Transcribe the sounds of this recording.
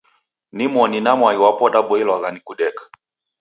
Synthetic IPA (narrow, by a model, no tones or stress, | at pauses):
nimɔninamwaiwapɔɗaɓɔɛlwaɣanikuɗɛkḁ